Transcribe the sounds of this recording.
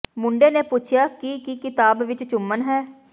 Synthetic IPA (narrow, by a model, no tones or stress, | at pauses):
mʊɳɖeːneːpʊt͡ʃʰɪjaːkikikɪt̪aːbʋɪt͡ʃt͡ʃʊmːənɦɛː